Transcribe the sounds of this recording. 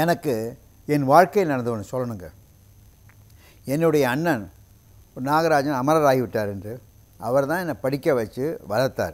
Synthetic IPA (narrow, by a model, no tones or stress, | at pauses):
ɛnɐkːɯ | ɛnʋaːɻkɐjɪlnɐɽɐnd̪ɯʋɐnːɯsɔlːɐɳɯŋɡɐ | ɛnːɯɽɐjɐːɳːɐn | naːɣɐɾaːd͡ʒɐnɐmɐɾɐɾaːɣɪʋɪʈːaːɾɛndrɯ | ɐʋɐɾt̪ãːɛnːɐpɐɽɪkːɐʋɐt͡ʃːɯʋɐlɐɾt̪ːa̰ːɾ